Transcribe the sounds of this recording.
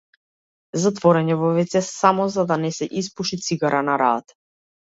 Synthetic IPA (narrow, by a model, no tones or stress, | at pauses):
zat̪vɔɾɛɲɛvɔvɛt̪sɛsamɔzad̪anɛsɛʔispuʃit̪siɡaɾʔanaɾa̰t̪